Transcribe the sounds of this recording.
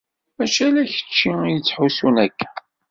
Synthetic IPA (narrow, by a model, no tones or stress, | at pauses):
mæʃælæçə̥t͡ʃːijət͡sːħusunækːæ̥